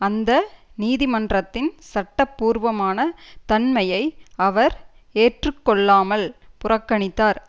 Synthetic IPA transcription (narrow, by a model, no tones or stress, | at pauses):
ɐnd̪ɐ | niːðɪmɐndrɐt̪ːɪnsɐʈːɐpːuːɾʋɐmaːnɐt̪ɐnmɐjɐɪɐʋɐɾ | eːʈrɯkːɔɭːaːmɐlpʊrɐkːɐɳɪt̪ːaːɾ